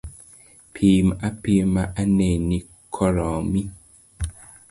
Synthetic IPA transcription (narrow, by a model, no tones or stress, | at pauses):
pʰimapimaʔanɛni | kʰɔɾɔmi